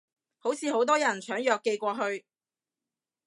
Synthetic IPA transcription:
ho˨˥wt͡sʰiː˨˧ho˨˥wt̪̬ɔː˥jɐ˨˩nt͡ʃʰœː˨˥ŋjœː˧kːe˧jkʷɔː˧ɦɵ˧ɥ

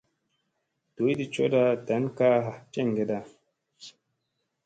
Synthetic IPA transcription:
to˨˦jdi˨t͡ʃo˦da˧ta˨˦nka˦ɦa˨t͡ʃe˦˨ŋ˨ɡe˨da˧

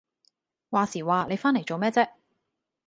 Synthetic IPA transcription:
waː˨˩siː˨˩waː˨le˨˧jfaː˥nle˨˩jt͡so˨wmɛː˥t͡sɛː˥

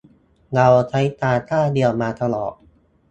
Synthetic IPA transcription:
ŋa˧wt͡ɕʰa˦˥jt̪aː˧t̪ʰaː˥˩di˧əwmaː˧t̪ʰa˧lɔ̰ː˨˩t̚

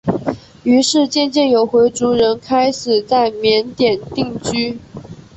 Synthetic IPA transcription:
y˧˥ʂɻ̩˥˧t͡ɕjɛ˥˧nt͡ɕjɛ˥˩njo˨˩ʊxwe˧˥ɪt͡su˧˥ɻə˧˥nkʰa˥ɪʂɻ̩˨˩t͡sa˥˩ɪmjɛ˧˥nt̪jɛ˨˩nt̪i˥˧ŋt͡ɕy˥

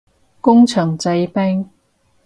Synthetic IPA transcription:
kʊ˥ŋt͡ʃʰœː˨˩ŋt͡sɐ˨˧jpɛ˥ŋ

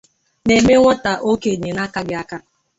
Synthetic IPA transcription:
ne˨me˦ŋʷɔ˦ta˨ʔo˦ke˨ɲe˨na˦ka˦ɡɪ˦a˦ka˦

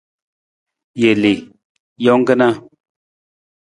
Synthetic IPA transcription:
je˨li˨ | jɔ˦ŋ˦ɡə˦na˦

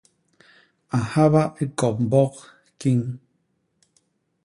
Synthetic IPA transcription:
a˨ha˦βa˦ʔi˦kɔ˨p̚m̩˨bɔ˦q | ki˦ŋ

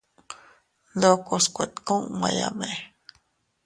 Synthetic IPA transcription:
lo˦ko˧skʷe˨t̪kõ˦ŋma˧ja̰me

